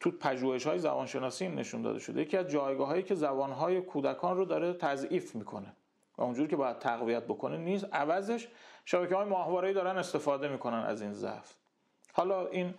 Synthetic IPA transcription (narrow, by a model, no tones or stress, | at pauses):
t̪ʰupʰæʒuːhe̞ʃhɒːjezæ̰bɒːnʃe̞nɒːsiːinːe̞̰ʃund̪ɒ̰d̪e̞ʃod̪ejecʰiæzd͡ʒɒːjɡɒːɦɒːiːcʰe̞zæbɒːnɦɒːje̞kʰuːd̪ækʰɒːnrod̪ɒːɾet̪ʰæziːfmiːkʰo̞̰ne̞ | væ̰und͡ʒuːɾiːcʰebɒːjæd̪̚t̪ʰæɣvijæt̪̚bo̞kʰo̞neniːst̪ʔævæzeʃʃæbæcehɒːjemɒːhvɒːɾeiːd̪ɒːɾæne̞st̪e̞fɒːd̪e̞miːkʰo̞nænæ̰ziːnzæ̰ft̪ | hɒːlɒʔin